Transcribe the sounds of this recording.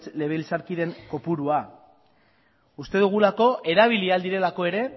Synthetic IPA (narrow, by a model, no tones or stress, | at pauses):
t͡sle̞β̞eilsaɾkiðe̞ŋko̞puɾua | ust̪eðuɣ̞ulako̞ʔe̞ɾaβ̞iliald̪iɾe̞lako̞e̞ɾe̞